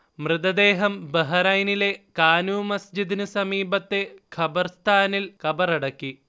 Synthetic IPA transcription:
mrɨd̪ɐd̪e̞ːɦɐmbɐɦɐɾɐjnile̞kaːnuːmɐsd͡ʑid̪inɨsɐmiːbɐt̪ːe̞kʰɐbɐrst̪ʰaːnilkɐbɐrɐɽɐkːi

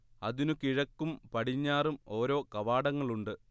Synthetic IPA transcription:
ɐðinukiɻɐkːumpɐʈiɲːaːrumo̞ːɾo̞ːkɐʋaːɽɐŋːɐɭuɳɖɨ

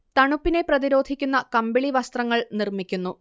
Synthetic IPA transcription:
t̪ɐɳupːine̞prɐðiɾo̞ːd̪ʱikʲːunːɐkɐmbeɭiʋɐst̪rɐŋːɐɭnirmikʲːunːu

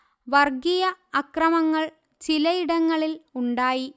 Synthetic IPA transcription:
ʋɐrɡijɐɐkrɐmɐŋːɐɭ | t͡ɕilɐjiɽɐŋːɐɭiluɳɖaːji

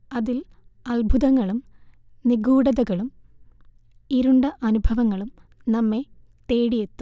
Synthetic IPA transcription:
ɐðil | ɐlbʱuðɐŋːɐɭum | niɡuːɽɐðɐɣɐɭum | iɾuɳɖɐʔɐnubʱɐʋɐŋːɐɭum | nɐmːe̞ | t̪eːɽijet̪ːu̥

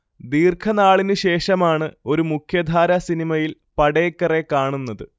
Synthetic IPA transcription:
d̪iːrkʰɐnaːɭinɨɕe̞ːʂɐmaːɳɨo̞ɾumukʰjɐd̪ʱaːɾɐsinimɐjil | pɐɽeːkːɐre̞kaːɳunːɐðɨ

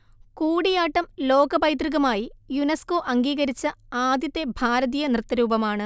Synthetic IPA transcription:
kuːɽijaːʈːɐmlo̞ːɡɐbɐjt̪riɣɐmaːjijunɐsko̞ːʔɐŋɡiːɣɐɾit͡ɕːɐaːd̪jɐt̪ːe̞bʱaːɾɐðiːjɐnrɨt̪ːɐɾuːbɐmaːɳɨ

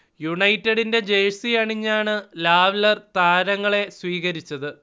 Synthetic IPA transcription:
juɳɐjtːeɽinde̞d͡ʑejsiɐɳiɲːaːɳɨlaːʋlɐrt̪aːɾɐŋːɐɭe̞sʋiːɣɐɾit͡ɕːɐðɨ

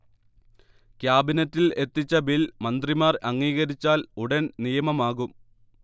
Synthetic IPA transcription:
kʲjaːbinɐtːile̞t̪ːit͡ɕːɐbilmɐnd̪rimaːrɐŋːiːɣɐɾit͡ɕːaːluɽɐnnijɐmɐmaːɣum

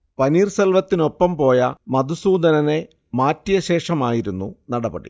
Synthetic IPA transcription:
pɐniːrselʋɐt̪ːino̞pːɐmpo̞ːjɐmɐd̪usuːd̪ɐnɐne̞ | maːtːijɐɕe̞ːʂɐmaːjiɾunːunɐɽɐbɐ̰ɽḭ

